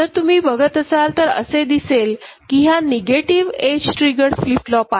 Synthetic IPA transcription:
t̪əɾt̪um̤iːbəɡʱət̪əsalt̪əɾə̰sed̪iselkiɦaneɡeʈiʋed͡ʑʈɾiɡəɾsflif̚ʈlɔpa

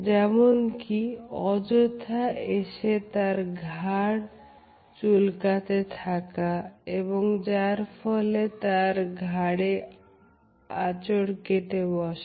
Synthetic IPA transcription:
d͡ʑɛmonkiɔd͡ʑot̪ʰaeʃet̪aɾɡʱaɽ | t͡ɕulkat̪et̪ʰakaeβoŋd͡ʑaɾfʰɔlet̪aɾɡʱaɽe | at͡ɕoɽkeʈ̪ebɔʃ

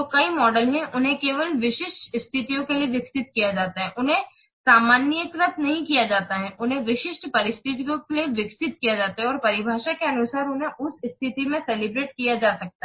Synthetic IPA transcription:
d͡ʒokɐimɔːɖəlɦɛ̃ʔʊnɦẽkeːʋəlʋɪʃɪʃʈɪst̪ʰɪt̪ijõkelieʋjɪksɪt̪̚kijad͡ʒaːt̪aɦɛʔʊnɦẽ | saːmaːnjək̪ɾət̪nɐɦĩkijad͡ʒaːt̪aɦɛ̃ʔʊnɦẽʋɪʃɪʃʈpɐɾɪst̪ʰɪt̪iõklieʋɪksɪt̪̚kijad͡ʒaːt̪aɦɛ̃ɔːɾpɐɾɪbʱaːʃakeɐnʊsaːɾʊnɦẽʔʊsɪst̪ʰɪt̪imẽsɛlɪbɾeːʈkijad͡ʒaːsɐk̚t̪aɦɛ

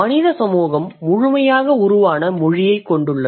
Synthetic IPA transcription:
ɐnɪðɐsɐmuːɣɐmːʊɻʊmɐjaːɣɐʊɾʊʋaːnɐmɔɻɪjɐɪkːɔɳɖɯɭːɐ

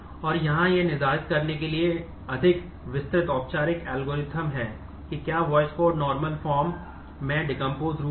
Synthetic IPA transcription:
ɔːɾjɐɦãjenɪzaːɾət̪kɐɾnek̬elie | ɐd̪ʱɪk | ʋɪst̪ɾɪt̪ɔːp̚t͡ʃaːɾɪkɛːlɡoːɾɪt̪ʰəmɦɛː | kikjaːʋɔːɪskoːɖnɔːɾməlfɔːɾmː | ɛ̃ɖɪkə̃mpoːzɾu

